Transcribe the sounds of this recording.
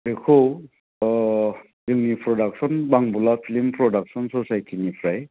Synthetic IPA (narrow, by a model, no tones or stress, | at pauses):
dekʰo | zɯŋnipʰɹɔdak̚sɔnbaŋbulapʰilimpʰɹɔdak̚sɔnsɔsajtʰinipʰɹaj